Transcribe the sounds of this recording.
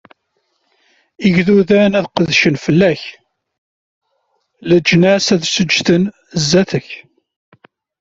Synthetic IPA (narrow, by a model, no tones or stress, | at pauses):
iʝðuðænæðqəðʃənfəlːæç | ləd͡ʒnæsæðsəd͡ʒθən | zːæθəç